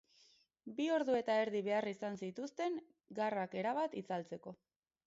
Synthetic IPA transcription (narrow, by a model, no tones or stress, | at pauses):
bio̞ɾðue̞t̪ae̞ɾðiβe̞arisansit̪ust̪e̞ŋ | ɡarake̞ɾaβat̪it͡salt͡se̞ko̞